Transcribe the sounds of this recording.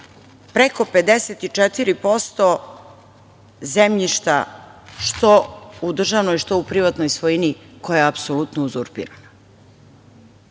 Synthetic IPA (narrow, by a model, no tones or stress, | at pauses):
pɾeko̞pe̞d̪eset̪it͡ʂet̪iɾipo̞st̪o̞ | zemʎiʃt̪a̰ʃt̪o̞ud̪r̩ʒaʋnojiʃt̪o̞upɾiʋat̪nojsʋojiniko̞jajeapsolut̪nouzuɾpḭɾana